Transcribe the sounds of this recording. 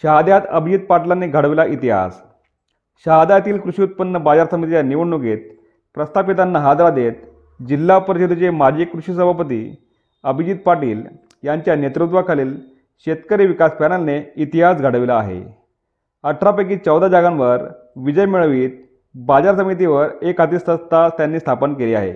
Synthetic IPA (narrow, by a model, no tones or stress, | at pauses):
ɕaɦad̪jat̪əbʱid͡ʑit̪̚paʈlanːeɡʱəɽʋilaʔit̪iɦa̰s | ɕaɦad̪ajat̪iːlkɾuɕiut̪̚pənːəbad͡zaɾsəmit̪ianiʋuɳːuɡet̪̚ | pɾəst̪ʰapit̪anːəɦad̪ɾad̪et̪̚ | d͡ʑilːapəɾt͡ɕud̪ut͡ɕemad͡ʑiːkɾuɕisəbʱapət̪ḭː | əbʱid͡ʑit̪̚paʈiːl | jaɲt͡ɕjanet̪ɾut̪ʋakʰaliːl | ɕet̪kəɾiːʋikaspænəlneit̪iɦasɡʱaɽəʋilaːɦḛ | əʈʰːɾapek̬iːt͡səwd̪ad͡zaɡanʋəɾ | ʋid͡ʑəjmiɭəʋiːt̪̚ | bad͡zaɾsəmit̪̬iʋəɾekat̪iːst̪əst̪ast̪janːiːst̪ʰapənkeliːa̰ɦḛ